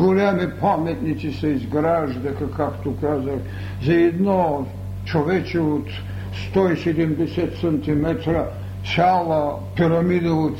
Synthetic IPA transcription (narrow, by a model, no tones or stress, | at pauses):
ɡolʲamipʰamet̪nit̪siseizɡɾaʒd̪ɛkakʰakt̪okazaʃ | zaɛd̪no | t͡ʃoʋɛt͡ʃiot̪ | st̪oisɛd̪ɛmd̪ɛsɛt̪sɛnt̪imɛt̪ɾa | salˠa | piɾɐmid̪oot̪